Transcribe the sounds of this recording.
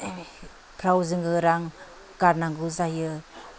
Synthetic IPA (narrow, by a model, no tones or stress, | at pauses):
pʰɾawzɯŋɡɯɾaŋ | ɡ̥aɾnaŋɡuzajɯ